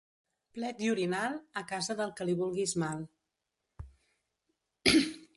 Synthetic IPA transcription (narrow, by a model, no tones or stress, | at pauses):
plɛt̪̚iuɾinalˠəkazəðəlˠkəliβulˠɣizmalˠ